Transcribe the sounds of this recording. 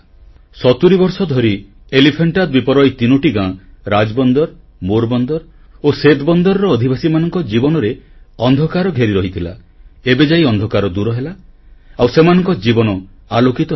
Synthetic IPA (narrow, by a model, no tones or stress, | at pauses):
sɔt̪uɾibɔɾsɔd̪ʱɔɾi | elipʰeɳʈad̪̚bipɔɾɔjt̪inɔʈiɡãɾad͡ʒbɔnd̪ɔɾ | moɾbɔnd̪ɔɾ | oset̪bɔnd̪ɔɾɔɾɔːd̪ʱibasimanɔŋkɔd͡ʒibɔnɔɾeɔnd̪ʱɔkaɾɔɡʱeɾiɾɔɦit̪ʰila̰ | ebed͡ʒaiɔnd̪ʱɔkaɾɔd̪uɾɔɦelaawsemanɔŋkɔd͡ʒibɔnɔ | alokit̪ɔ